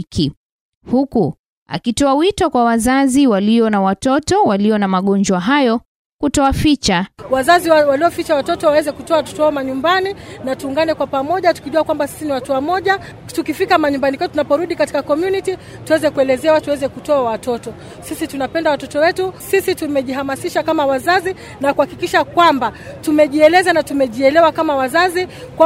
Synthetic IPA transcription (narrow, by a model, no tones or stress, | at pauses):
kʰi | huku | a̰kitɔawitɔkwawazaziwaliɔnawatɔtɔwaliɔnamaɠɔnd͡ʒwaɦajɔ | kutɔafit͡ʃawazaziwaliɔfit͡ʃawatɔtɔwawɛzɛkutɔawatɔ̥tɔhaɔmaɲumbaninatuːŋɡanɛkwapamɔʄatu̥kiʄuakwambasi̥siniwatuwamɔʄa | tukifikamaɲumbanikatunapɔɾuɗikati̥kakɔmjuniti | tuwɛzɛkuɛlɛzɛawatuwɛzɛkutɔawatɔtɔ | sisitunapɛndawatɔtɔwɛtusisitumɛʄiɦamasiʃakamawazazi | nakuhakikiʃakwamba | tumɛʄiɛlɛzanatumɛʄiɛlɛwakamawazazi | kwa